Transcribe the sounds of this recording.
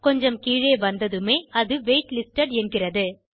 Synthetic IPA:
kɔɲd͡ʒɐmkiːɻeːʋɐnd̪ɐðɯmeːɐðɯʋeːʈlɪsʈɐɽɛnɡɪrɐðɯ

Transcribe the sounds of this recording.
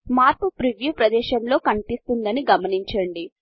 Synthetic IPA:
maːɾpupɾiʋjuːpɾɐd̪ɛːʃɐmlo̞ːkɐɳipist̪und̪ɐniɡɐmɐniɲt͡ʃɐɳɖi

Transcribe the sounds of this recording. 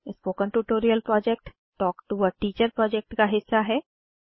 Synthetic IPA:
ɪspoːkə̃nʈuʈoːɾiəlpɾɔːd͡ʒɛk̚ʈ | ʈɔːkʈuʋəʈiːt͡ʃəɾpɾɔːd͡ʒɛk̚ʈkaɦɪsːaɦɛː

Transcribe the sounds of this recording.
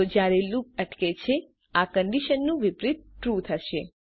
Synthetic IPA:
od͡ʒjaɾelup̚əʈket͡ʃʰe | akəɳɖiʃənːũʋɪpɾɪt̪̚ʈɾut̪ʰəʃe

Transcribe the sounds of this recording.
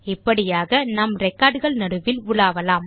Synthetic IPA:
ɪpːɐɽɪjaːɣɐnɐmɾɛkːaːɖɣɐɭnɐɽɯʋɪlʊɭaːʋɐlaːm

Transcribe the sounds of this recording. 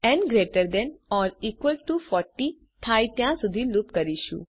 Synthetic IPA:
ɛ̃nɡɾeʈəɾd̪ɛ̃nɔːɾiːkʋəlʈufɔɾʈːi | t̪ʰajt̪jãsud̪ʱilupkəɾiʃṵ̃

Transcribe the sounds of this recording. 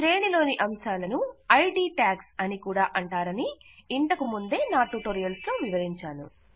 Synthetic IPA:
tɾe̞ːɳilo̞ːniʔɐmʃaːlɐnuɐjɖiːʈaːksɐnikuːɽaːʔɐɳʈaːɾɐniiɳt̪ɐkumund̪e̞ːnaːʈːuːʈoːɾijɐlst̪oːʋiʋɐɾiɲt͡ʃaːnṵ

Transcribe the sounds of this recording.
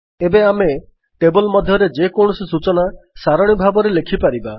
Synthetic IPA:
ebeame | ʈebɔlmɔd̪ʱjɔɾed͡ʒekɔɳ̃ɔsisut͡ʃɔnasaɾɔɽ̃ibʱabɔɾelekʰipaɾiba

